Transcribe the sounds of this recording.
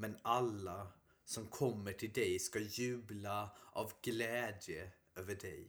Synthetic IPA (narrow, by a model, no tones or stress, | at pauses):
mɛnɑlə | sɔmkʰɔmːəʈʰɪld̪æɪskɑjʉːbləʔɑʋɡleːd̪jə | øːʋəɖɛɪ